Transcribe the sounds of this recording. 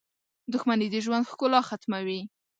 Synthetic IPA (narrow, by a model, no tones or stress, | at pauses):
d̪ʊxmanid̪əʒwand̪xkʊlɑxat̪mawi